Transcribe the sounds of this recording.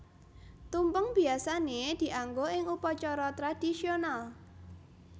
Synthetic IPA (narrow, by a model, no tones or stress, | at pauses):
t̪umpʊŋb̥i̤asaned̪̥i̤ʔaŋɡoʔɪŋupɔt͡ʃɔɾɔt̪ɾad̪̥isional